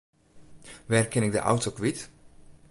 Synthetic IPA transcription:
ʋɛrkɛnɪk̚də̰ʔa̰wtokʋit

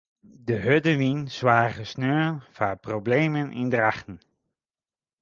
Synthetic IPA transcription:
dəɦødəʋinswaːɣəsnøːənfaproblejmənʔɪ̰ndraχtən̩

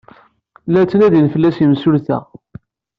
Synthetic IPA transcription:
lːæt͡sːnæðinfəlːæsjəmsʊlθæ̰

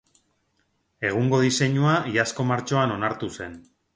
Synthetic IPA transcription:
e̞ɣ̞uŋɡo̞ðise̞ɲuaiasko̞maɾt͡ʃo̞ano̞naɾt̪use̞n

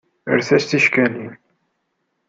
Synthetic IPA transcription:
ə̰ɾθæst̪iʃkæniw

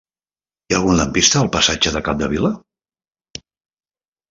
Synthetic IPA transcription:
jalˠɣunləmpist̪əːlˠpəsad͡ʒəðəkap̚d̪əβilə

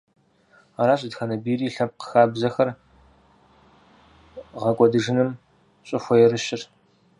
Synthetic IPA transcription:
aːɾaːɕ̬ʼɪdxɐnɐbiːriːɬɐp̚qə̥xaːbzɐxɐr | ʁɐkʷʼɔdɨʐɨnɨm | ɕʼɪxʷɔjɛrɨʃɪr

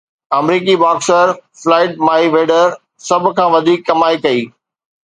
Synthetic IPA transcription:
ɐmɾiːk̬ibaːksəɾflaːɪʈ̚maːiʋeːɖəɾ | sɐbʱʊ̆kʰãːʋɐd̪ʱiːkːɐmaːikɐiː

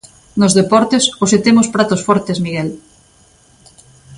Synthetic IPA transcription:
nozðepɔɾt̪esoset̪emospɾat̪osfɔɾt̪esmiɣɛl

